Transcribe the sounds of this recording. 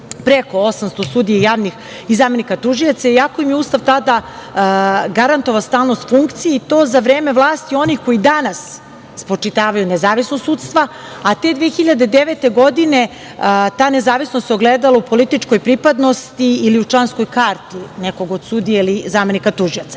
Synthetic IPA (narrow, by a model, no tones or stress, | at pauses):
pɾeko̞osamst̪osud̪ijajaːʋnix | izaːme̞nikat̪uʒijat̪saiako̞imjeuːst̪aʋt̪ad̪a | ɡaɾant̪oʋast̪aːlˠnost̪fuŋkt̪sijeit̪o̞ːzaʋɾeːme̞ʋlˠaːst̪io̞nixko̞id̪anas | spɾot͡ʂit̪aːʋajunezaːʋisnost̪suːt̪st̪ʋa | at̪e̞d̪ʋeːxiʎad̪ed̪eʋet̪e̞ɡo̞d̪ine | t̪aːnezaːʋisnost̪soɡled̪alaupo̞lit̪it͡ʂko̞jpɾipad̪no̞st̪iiːliut͡ʂlˠanskojkaɾt̪ineko̞ɡod̪sud̪ijailizaːme̞nikat̪uʒiat̪sa